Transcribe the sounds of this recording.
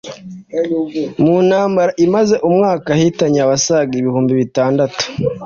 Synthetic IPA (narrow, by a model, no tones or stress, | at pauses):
munaːmbaɾaʔimaze̞ʔumŋaːkahitaɲaaβasaɡiβihuːmbiβitaːndatu̥